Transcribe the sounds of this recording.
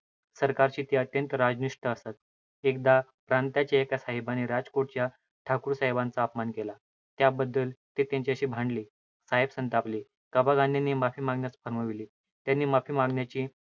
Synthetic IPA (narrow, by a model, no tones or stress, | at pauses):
səɾkaɾt͡ɕiːt̪iət̪jənt̪əɾad͡zniʂʈəəsat̪ | ek̚d̪apɾant̪at͡ɕjaekasaɦebaniɾad͡zkoʈ̚t͡ɕja | ʈʰakuːɾsaɦebãnt͡saːpmankela | t̪jabəd̪ːəlt̪et̪jãɲt͡ɕiəɕiːbʱãɳɖliː | saɦebsənt̪apliː | kəbaɡãnd̪janːiːmafiːmaɡnjasfəɾməʋiliː | t̪janːiːmafiːmaɡɳjat͡ɕiː